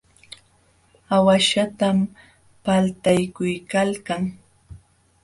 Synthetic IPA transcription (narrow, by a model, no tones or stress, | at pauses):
awaʃat̪am | palt̪ajkʊjkalkaŋ